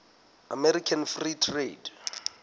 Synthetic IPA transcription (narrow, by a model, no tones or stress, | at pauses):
amɛɾikʰanfritʰred